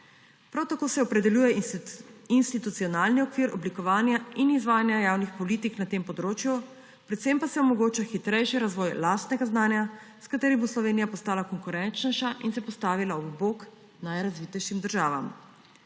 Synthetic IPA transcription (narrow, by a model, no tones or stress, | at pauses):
pɾawt̪akoːsɛɔpɾɛd̪ɛljuːjɛ | inst̪it̪ut̪siɔnaːlniɔkʋiːɾʔɔblikɔʋaːnjainizʋaːjanjajaːwnixpɔlit̪iknat̪empɔd̪ɾoːt͡ʃju | pɾɛt̪sempasɛɔmɔɡoːt͡ʃaxit̪ɾɛjʃiɾazʋɔjlaːst̪nɛɡaznaːnja | skat̪eːɾiboslɔʋeːnijapɔst̪aːlakɔŋkuɾɛnt͡ʃnɛʃaʔinsɛpɔst̪aːʋilaɔbboːk | najɾazʋiːt̪ɛjʃimd̪əɾʒaːʋa̰m